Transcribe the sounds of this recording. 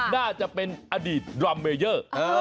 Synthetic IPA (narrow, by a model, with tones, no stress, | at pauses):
naː˥˩t͡ɕa˨˩ʔpe˧nʔaː˧diː˨˩t̪̚ɾɔ˧mːeː˧jəː˥˩˧